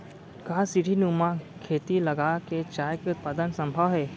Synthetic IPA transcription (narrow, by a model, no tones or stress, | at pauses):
kasiʈinũmãkʰeːt̪ilɐɡaːket͡ʃaːjkeʊt̪̚paːd̪ənsɐ̃mbʱəʋɦɛː